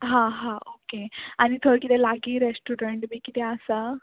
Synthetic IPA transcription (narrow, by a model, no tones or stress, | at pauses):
ɦãɦãokeañit̪ʰoɾkit̪ɛlaɡiːɾesʈuɾeɳʈbiːkit̪ɛəsa